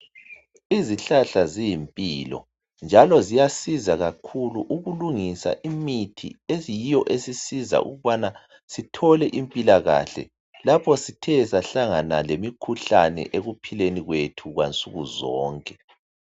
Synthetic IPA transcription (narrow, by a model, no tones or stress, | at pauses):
iziɬaɬazijimpʼilɔ̰ | nd͡ʒʱalɔzijasizaɣakʰuluʔuɣuluŋisa̰ʔimitʰḭejijɔʔesisiza̰ʔṵɣuβana | sitʰɔlɛʔimpʼilaɣa̰ɬɛ̰ | lapʰɔsitʰɛsaɬaŋanalemikʰuɬa̰nɛ̰ʔeɣupʰileniɣwetʰuɣwa̰nt͡sʼuɣuzɔːŋkʼɛ